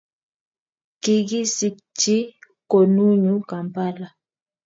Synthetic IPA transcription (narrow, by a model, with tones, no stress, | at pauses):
ki˨ɡi˦si˨kt͡ʃi˦ | ko˨nu˦ɲu˦ka˨mpa˦la˨